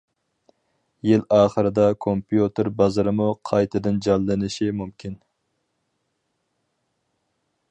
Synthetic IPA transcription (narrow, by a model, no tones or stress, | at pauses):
jɪlɑːχəɾɨd̪ɑkʰompjut̪ɪɾbɑzɨɾɪmuqʰɑjt̪ʰɨd̪ɨnd͡ʒɑlːɨnɪʃimumkʲʰin